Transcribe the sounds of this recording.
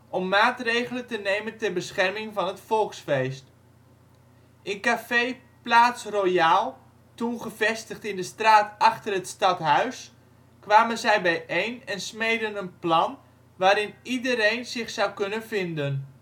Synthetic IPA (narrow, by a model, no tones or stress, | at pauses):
ʔɔmːaːtrejɣələntənejməntɛrbəsχɛrmɪŋvɑnɦətfɔlˠksfejst | ʔɪnkafej | plaːtsrojaːlˠ | tunχəv̥ɛstəχtɪndəstraːtɑχtərɦətstɑtɦœɥs | kʋaːmənzɛjbɛjʔejnɛnsmejdənənplɑn | ʋaːɾɪnidəɾejnzɪχsawkɵnənvɪndən